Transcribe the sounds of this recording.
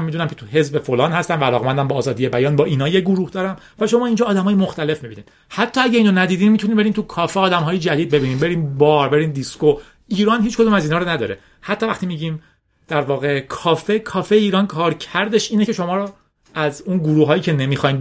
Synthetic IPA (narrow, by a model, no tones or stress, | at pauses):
mid̪unæmkcʰet̪ʰuɦe̞zbe̞folɒːnhæst̪æmvæælɒːɣmænd̪æmbɒːzɒːd̪ije̞bæjɒːnbɒːʔiːnɒːjeɡuɾuhd̪ɒːɾæm | væʃo̞mɒːiːnd͡ʒɒːd̪æmɒːjemoxt̪æle̞fmibiːniːd̪ | hæt̪ʰːɒːæɟæiːnonæd̪iːd̪iːmmit̪ʰuniːmbe̞ɾiːmt̪ʰukʰɒːfeɒːd̪æmɦɒːjed͡ʒæd̪iːd̪̚be̞biːniːmbe̞ɾiːnbɒːɾbe̞ɾiːnd̪isko | iːɾɒːnhiːt͡ʃko̞d̪uːmæzinhɒːɾonæd̪ɒ̰ːɾḛ | hæt̪ʰːɒːvæ̰χt̪imiːɟiːm | d̪̥æɾvɒːɣe̞kʰɒːfekʰɒːfeeiːɾɒːnkʰɒːɾcʰæɾd̪e̞ʃiːnecʰe̞ʃo̞mɒːɾo | æzunɡuɾuːɦɒːjiːcʰe̞nemixɒːjm